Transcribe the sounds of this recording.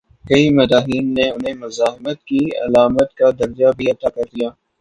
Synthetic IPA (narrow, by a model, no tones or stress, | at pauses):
kɐimɐɾaːɦiːnːeʊnɦẽmʊzaːɦɪmət̪̚kiɐ̰laːmət̪kad̪ɐɾd͡ʒabʱiɐt̪aːkɐɾd̪ijaː